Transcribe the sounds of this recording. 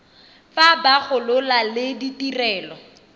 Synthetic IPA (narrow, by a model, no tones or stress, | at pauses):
fabaχʊlʊlalɪditirɛːlɔ